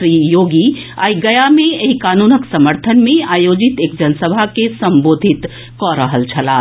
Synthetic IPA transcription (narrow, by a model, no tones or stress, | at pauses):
ɾijoɡi | a̰iɡəjameeɦikanunəksəməɾt̪ʰənmeajod͡ʒit̪ekd͡ʒənsəbʱakesəmbod̪ʱit̪ | kɔɾəɦəlt͡ʃʰəla